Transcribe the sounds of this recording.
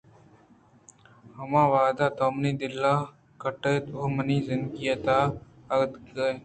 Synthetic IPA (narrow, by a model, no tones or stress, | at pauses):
hɐmãːʋaːd̪aːt̪ɔːmniːd̪ɪlːaː | kəʈeːt̪oːməniːzɪnɡijət̪aː | ɐɾd̪ɡəe